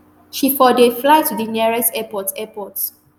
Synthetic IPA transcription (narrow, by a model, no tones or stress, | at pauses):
ʃifɔdeflaɪtudəniɹɛsɛpɔtɛpɔts